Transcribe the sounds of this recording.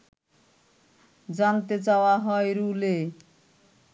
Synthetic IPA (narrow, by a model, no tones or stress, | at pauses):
d͡zant̪et͡sawaɦʌeɾule